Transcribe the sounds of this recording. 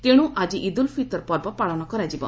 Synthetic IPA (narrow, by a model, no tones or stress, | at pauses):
t̪eɽ̃ũʔad͡ʒiʔid̪ulpʰit̪ɔɾpɔɾbɔpaɭɔnɔkɔɾad͡ʒibɔ̰